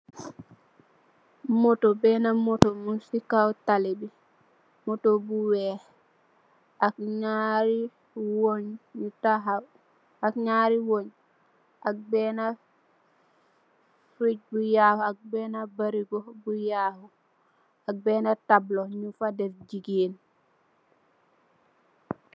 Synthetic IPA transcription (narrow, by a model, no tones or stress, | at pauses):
motobɛnamotomusikawtalibi | motobuwɛ | akɲaɾi | woɲɲutaɦa | akɲaɾiwoɲ | ʔak̚bɛna | fiɟ̚bujahuak̚bɛnabaɾiɡobujaːhu | ak̚bɛnatabloɲufadɛɾd͡ʒiɡiːn